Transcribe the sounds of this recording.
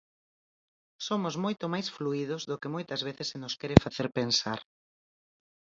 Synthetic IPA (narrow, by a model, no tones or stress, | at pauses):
somʊzmojt̪omajsfluið̞ʊzðʊkemojt̪ɐzβ̞eθɪsːenʊskɛɾɪfaθeɾpensa̰ɾ